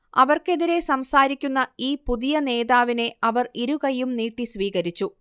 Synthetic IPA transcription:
ɐʋɐrke̞ðiɾe̞sɐmsaːɾikʲːunːɐiːpuðijɐne̞ːðaːʋine̞ɐʋɐriɾuɣɐjumniːʈːisʋiːɣɐɾit͡ɕːu

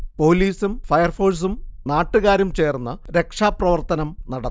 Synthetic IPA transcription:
po̞ːliːsumfɐjɐrfo̞ːs̬umnaːʈːɨɣaːɾumt͡ɕe̞ːrunːɐɾe̞kʂaːprɐʋɐrt̪ɐnɐmnɐɽɐ

